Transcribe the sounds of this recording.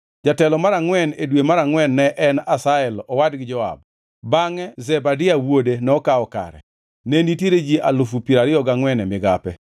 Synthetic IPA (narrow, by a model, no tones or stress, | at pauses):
d͡ʒatɛlɔmaɾaŋwɛnedwemaɾaŋwɛnːɛʔɛnasaɛlɔwadɡɪd͡ʒɔa̰b̚ | baŋɛzɛbadɪawodenɛɔkaɔka̰ɾɛ̰ | nenitjeɾed͡ʒiʔalʊfupiɾaɾɪɔɡaŋwɛnɛmɪɡapɛ